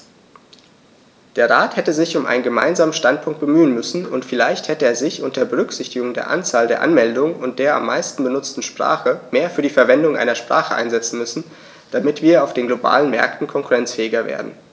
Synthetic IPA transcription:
d̥eːɐʁaːthɛtəzɪçʊmʔa̰ɪnənɡəma̰ɪnzaːmən̩ʃtant̚pʰʊŋk̚t̚b̥əmyːənmʏsn̩ʊntfɪlaɪçthɛtəeːɐzɪçʔʊntɐːɐbəʁ̞ʏkz̥ɪçtɪɡʊŋdeːɐʔa̰nt͡saːldeːɐʔa̰nmɛldʊŋənʊnt̚d̥eːɐa̰mːa̰ɪstn̩bənʊt͡stn̩ʃpʁ̥a̰ːχəmeːɐfyːɐdiːfɛɐvɛndʊŋʔa̰ɪnɐʃpʁ̥a̰ːχəʔa̰ɪnzɛt͡sn̩mʏsn̩ | d̥amɪtv̥iːɐaʊfd̥eːnɡloba̰ːlənmɛ̰ɐk̚tn̩kʰɔŋkuʁɛnt͡sfɛːɪɡɐvḛːɐdn̩

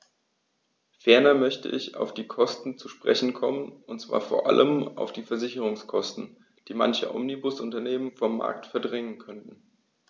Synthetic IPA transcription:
fɛɐnɐmœçtə̰ʔɪça̰ʊfd̥iːkʰɔstn̩t͡suʃpʁ̥ɛ̰çn̩kʰɔmənʊntt͡sv̥a̰ːɐfoːɐʔa̰lʔəmʔa̰ʊfd̥iːfɛɐzɪçəʁʊŋskʰɔstn̩ | d̥iːma̰nçəʔɔ̰mnibʊsʔʊntɐneːmənfɔmːa̰ɐk̚tfɛɐdʁɛŋənkʰœntn̩

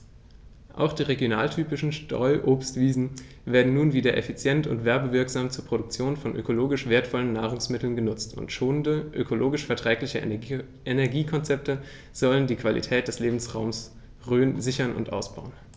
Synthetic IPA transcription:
ʔa̰ʊxd̥iːʁeɡjona̰ːltʰyːpɪʃn̩ʃtʁɔ̰ʏʔoːpstv̥iːzn̩ | veːɐdn̩nuːnviːdɐʔɛfit͡sjɛntʊ̰ntv̥ɛɐbəvɪɐkz̥aːmt͡suːɐpʁ̥odʊk̚t͡sjoːnfɔnʔø̰kʰoloːɡɪʃv̥eːɐtfɔlənːaːʁ̞ʊŋsmɪtl̩nɡənʊt͡stʰʊ̰ntʃoːnəndəʔø̰kʰoloːɡɪʃfɛɐtʁ̥ɛːklɪçə | ʔenɛɐɡiːkʰɔnt͡sɛp̚tə | z̥ɔləndiːkv̥alḭtʰɛːt̚d̥ɛsleːbm̩sʁaʊms | ʁøːənzɪçɐnʊ̰ntʔa̰ʊsb̥aʊən

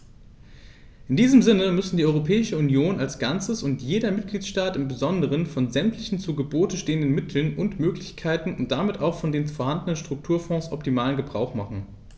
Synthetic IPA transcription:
ʔɪndiːzəmzɪnəmʏsn̩diːʔɔʏʁopʰɛːɪʃəunjoːnalsɡ̥ant͡səsʊntjeːdɐmɪt̚ɡ̥liːtʃtaːtɪmbəzɔndəʁ̞ənfɔnzɛmtʰlɪçn̩t͡suːɡəboːtəʃteːəndənmɪtʰl̩nʊntmøːklɪçkʰaɪtn̩ʊnt̚d̥amɪtaʊxfɔndeːnfoːɐhandənənʃtʁ̥ʊk̚tʰuːɐfɔ̃ːsʔɔptimaːlənɡəbʁaʊxmaχn̩

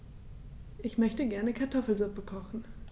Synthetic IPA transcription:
ʔɪçmœçtəɡɛɐnəkʰaɐtʰɔfl̩zʊpəkʰɔχn̩

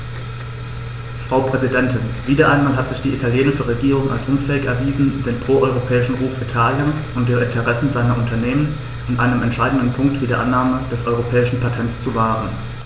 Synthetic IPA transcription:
fʁ̥aʊpʁ̥ɛzidɛntʰɪnviːdɐʔaɪnmaːlɦatz̥ɪçd̥iːʔitʰaljeːnɪʃəʁeɡiːʁ̞ʊŋa̰lsʔʊnfɛːɪçɛɐviːzn̩d̥eːnpʁ̥oːʔɔʏʁopʰɛːɪʃn̩ʁuːfitʰaːljənsʔʊntd̥eːɐʔɪntʰəʁ̞ɛsn̩zaɪnɐʔʊntʰɐneːmən | anʔa̰ɪnəmɛntʃaɪdn̩dən̩pʰʊŋk̚tv̥iːdɐ̰ʔa̰nːaːməd̥ɛsʔɔʏʁopʰɛːɪʃn̩pʰatʰɛntt͡st͡suvaːʁ̞ən

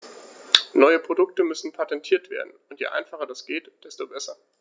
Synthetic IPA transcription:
nɔʏəpʁ̥odʊk̚təmʏsn̩pʰatɛntʰiːɐtv̥ḛːɐdn̩ʊntjḛːʔaɪnfaχɐdasɡ̥eːtd̥ɛstobɛsɐ

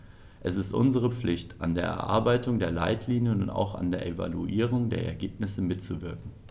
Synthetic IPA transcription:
ʔɛsɪstʔʊ̰nzəʁ̞əp͡flɪçtʰʔa̰ndeːɐʔɛ̰ɐʔa̰ɐbaɪtʊŋdeːɐla̰ɪtʰliːnjənʊnta̰ʊxa̰ndeːɐʔeva̰luʔiːʁ̞ʊŋdeːɐɛ̰ɐɡeːpnɪsəmɪtt͡suvɪɐkŋ̩

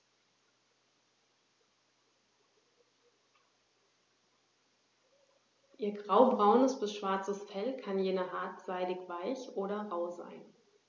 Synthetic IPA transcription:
ʔiːɐɡʁaʊbʁaʊnəsb̥ɪsʃv̥aɐt͡səsfɛlkʰanjeːnɐɦaɐtz̥aɪdɪçv̥aɪçʔoːɾɐʁaʊza̰ɪn

